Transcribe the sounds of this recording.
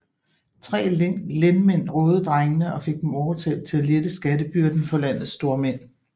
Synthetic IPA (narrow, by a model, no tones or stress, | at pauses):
t͡sʰʁɛ̰ːleŋ̰lenmen̰ʁɔ̽ːð̞ˠd̥ʁɑŋənəɒ̽fe̝ɡ̥̚d̥emɒːt͡sʰɛ̰ːld̥̚t͡sʰe̝læled̥əsɡ̥æd̥əb̥yɐd̥n̩fɒ̽læn̰ð̞̩ˠsd̥o̝ɐmen̰